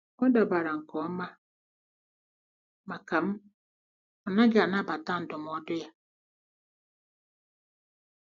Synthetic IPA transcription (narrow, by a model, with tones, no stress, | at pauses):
ɔ˦da˨ba˨ɾa˨ŋ̩˨kɔ˨˦ma˦ | ma˨ka˨m̩˦ | ɔ˨na˦ɡa˨na˦˨ba˨ta˦n̩˨dʊ˨mɔ˨˦dʊ˦ja˦